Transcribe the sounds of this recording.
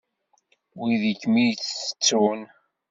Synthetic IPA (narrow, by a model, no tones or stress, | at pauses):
wiðikːmijt͡ssə̥t͡sːun